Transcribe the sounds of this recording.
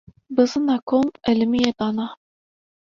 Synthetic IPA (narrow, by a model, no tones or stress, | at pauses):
bɨzɨnɑkʰomɛlɨmijed̪ɑnɑ